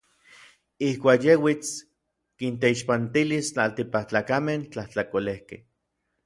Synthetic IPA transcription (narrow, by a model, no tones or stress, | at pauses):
ihkʷaːkjewit͡s | kint̪eiʃpant̪ilist͡ɬalt̪ipaht͡ɬaːkament͡ɬaht͡ɬakolehkḛh